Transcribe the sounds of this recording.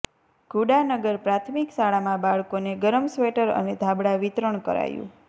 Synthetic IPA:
ɡ̥ʱuɖanəɡəɾpɾat̪ʰmiksaɭamãbaɭkoneɡəɾəmsʋeʈəɾə̰ned̪ʱabɽaʋit̪ɾəɳkə̰ɾa̰jṵ̃

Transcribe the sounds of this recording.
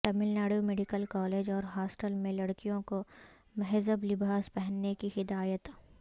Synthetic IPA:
ʈɐmɪlnaːɽjomeːɖɪkəlkɔːleːd͡ʒɔːɾɦaːsʈəlmẽlɐɽkijõko | mɐɦzəblɪbʱaːzpɛɦənːekihɪd̪aːjət̪

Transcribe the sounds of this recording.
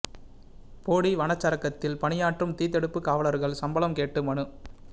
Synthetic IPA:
poːɽiʋɐnɐt͡ʃːɐɾɐkːɐt̪ːɪlpɐɳɪjaːʈrɯmt̪iːt̪̬ːɛɽɯpːɯkːaːʋɐlɐɾɣɐɭsɐmbɐlɐmkeːʈːɯmɐɳɯ

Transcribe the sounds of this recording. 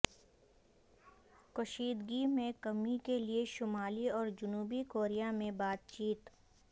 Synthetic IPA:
kʊʃiːd̪ɡimẽkɐmikelieʃʊmaːliɔːɾd͡ʒʊnuːbikoːɾijamẽbaːt̪̚t͡ʃiːt̪

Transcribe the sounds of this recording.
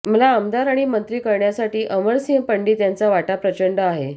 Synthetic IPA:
məlaəmd̪aɾaɽ̃imənt̪ɾiːkəɾɳjasaʈiːʔəməɾsiɦəmpəɳɖiːt̪jant͡saʋaʈapɾət͡ɕəɳɖəaɦe

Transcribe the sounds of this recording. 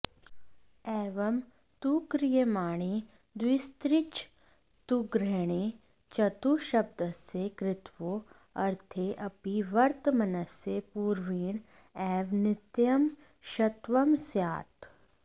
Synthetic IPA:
ɛːʋɐm | t̪ukɾɪjəmaːɽ̃eː | d̪wɪst̪ɾɪt͡ʃ | t̪uɡɾɛɽ̃eː | t͡ʃɐt̪uʃɐb̚d̪əsekɾɪt̪ʋoː | ɐɾt̪ʰeʔɐpiʋɐɾt̪mɐnəsepuːɾʋiːɳ̃ | ɛːʋnɪt̪jɐm | ʃɐt̪ʋɐmsjaːt̪

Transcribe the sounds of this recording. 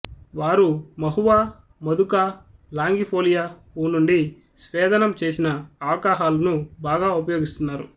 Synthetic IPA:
ʋaːɾumɐɦuʋaː | mɐd̪uka | laːŋɡipʰoːlijaː | uːnuɳɖi | sʋɛːd̪ɐnɐmt͡ʃe̞ːsinɐɐʋɐkaːɦaːlɐnubaːɡaːupɐjoːɡist̪unːaːɾṵ

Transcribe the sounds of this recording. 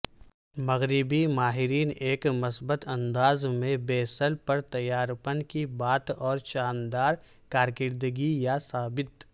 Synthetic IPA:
mɐɣɾɪbimaːɦɪɾiːneːkmʊsbət̪ʰɐ̃nd̪aːzmẽbeːsəlpɐɾt̪ɐjaːɾpənkibaːt̪ɔːɾʃaːnd̪aːɾ | kaːɾkɪɾd̪əɡijasaːbɪt̪

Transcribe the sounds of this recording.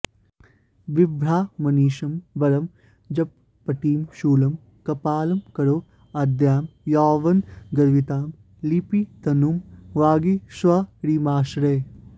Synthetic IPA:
ʋɪbɾaːmɐniːʃɐmbɐɾɐm | d͡ʒɐb̚ | pːɐʈiːmʃuːlɐm | kɐpaːlɐmkɐɾoː | ɐd̪jaːmjaːʋɐnɡɐɾʋit̪aːm | lipit̪ɐnumʋaːɡisʋɐɾiːmaːʃɾeː

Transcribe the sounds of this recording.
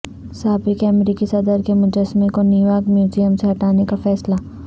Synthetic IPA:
saːbikeɐmɾiːkisɐd̪əɾkemʊ̃d͡ʒəsmikoniːʋaːkmjuːd͡ʒijəmseɦɐʈaːnekafɛːsla

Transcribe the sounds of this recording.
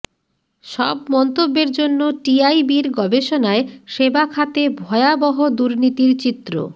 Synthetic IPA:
ʃɔ̰bmɔnt̪obːeɾd͡ʑonːoʈiajbiɾɡɔbeʃonaeʃebakʰat̪ebʱɔeabɔɦod̪uɾnit̪iɾt͡ɕit̪ːɾo̰

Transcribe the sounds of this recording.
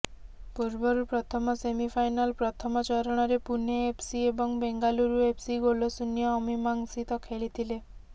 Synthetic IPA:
puɾbɔɾupɾɔt̪ʰɔmɔsemipʰajnalpɾɔt̪ʰɔmɔt͡ʃɔɾɔɽ̃ɔɾepuneepʰsiebɔŋbeŋɡaluɾuepʰsiɡolosunjɔːmimaŋsit̪ɔkʰeɭit̪ʰile

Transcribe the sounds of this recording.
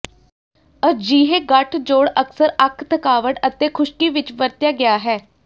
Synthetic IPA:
əd͡ʒiːɦeːɡəʈʰd͡ʒoːɽəksəɾəkʰt̪ʰəkaːʋəʈət̪eːkʰʊʃkiːʋɪt͡ʃʋəɾt̪jaːɡɪjaːɦɛː

